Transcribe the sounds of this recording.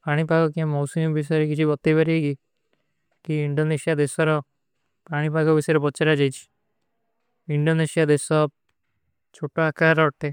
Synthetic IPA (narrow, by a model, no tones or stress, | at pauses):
paɽ̃ipakɔkiãmɔwsimbisɔɾekit͡ʃʰibɔt̪ːibaɾieɡi | kiiɳɖonesijad̪esɔɾɔ | paɽ̃ipakɔbiseɾebɔːt͡ʃaɾad͡ʒajt͡ʃʰi̥ | iɳɖonesijad̪esɔ | t͡ʃʰoʈoakaɾɔʈ̪ʰe